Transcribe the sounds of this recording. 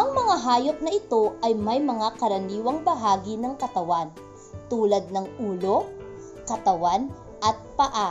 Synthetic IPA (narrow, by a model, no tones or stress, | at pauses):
ʔɐŋmɐŋaɦaːjop̚nɐʔɪt̪o̞ʔɐjmɐjmɐŋakɐɾɐniːwɐŋbɐɦaːɡinɐŋkɐt̪ɐwan | t̪uːlɐd̪̚nɐŋʔuːlo̞ | kɐt̪ɐwan | ʔɐt̪̚pɐʔa